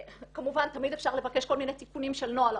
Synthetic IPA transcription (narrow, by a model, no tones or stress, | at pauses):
kamuvant̪amid̪efʃaʁle̞vake̞ʃko̞lminet̪ikunimʃelnoal